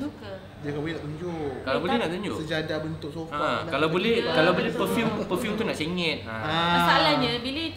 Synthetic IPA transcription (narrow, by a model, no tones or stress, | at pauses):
bukə | diakabolɛnaʔt̪uɲd͡ʒokalawbolɛhnaʔt̪uɲd͡ʒo̰səd͡ʒadabənt̪ʊk̚sofaakalabolɛhkalabolɛhpəfjumpəfjumt̪unaʔseŋɛ̃t̪̚ | aasalahɲə̃bilə